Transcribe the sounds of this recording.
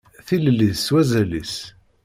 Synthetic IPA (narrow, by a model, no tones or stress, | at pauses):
θiləlːiðswæzælis